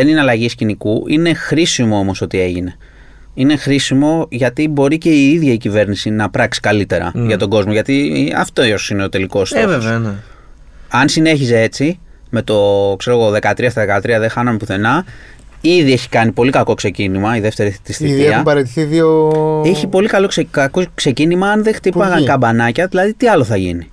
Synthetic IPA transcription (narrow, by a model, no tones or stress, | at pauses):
e̞nineɐlɐʝiscinikuʔine̞xɾisimo̞o̞mo̞so̞t̪ie̞ʝine̞ | ine̞xɾisimo̞ʝɐt̪ibo̞ɾice̞iiðʝɐicive̞ɾnisinɐpɾɐksi̥kɐlit̪e̞ɾɐ̰ʝɐt̪o̞ɡo̞zmo̞ʝɐt̪iɐ̰ft̪oine̞ot̪e̞liko̞st̪vvn | ɐnsine̞çisee̞t͡si | me̞t̪o̞kse̞ɾoɣoðe̞kɐt̪ɾiɐst̪ɐðekɐt̪ɾiɐðexɐnɐmepuθe̞nɐ | iðie̞çi̥kɐnipo̞likɐko̞kse̞cinimɐiðe̞ft̪e̞ɾiθt̪ist̪iiθieɐmbɐɾet̪i̥θiðioeçipo̞likɐlo̞kskkokse̞cinimɐɐnðext̪ipɐɣɐŋkɐbɐnɐcɐðilɐðit̪iɐlo̞θɐʝḭni